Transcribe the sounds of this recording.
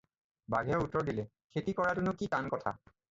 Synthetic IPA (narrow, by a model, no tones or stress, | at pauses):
ba̰ɡʱɛutɔɹdilɛ | kʰetikɔɹatunʊkitankɔtʰa̰